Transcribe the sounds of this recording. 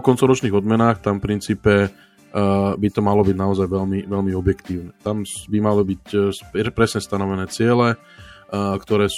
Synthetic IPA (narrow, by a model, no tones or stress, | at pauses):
kɔnt͡sɔʊɾɔt͡ʃniːɣɔd̪mɛnaːxt̪amfpɾint͡siːpɛ | bit̪ɔmalɔbiɟnaɔzajʋɛlmiʋɛʎmiɔbjɛkt̪iːʊnɛt̪amsbimalibicpɾɛsɲɛst̪anɔʋɛnɛːt͡sɪɛlɛ | kt̪ɔɾɛːs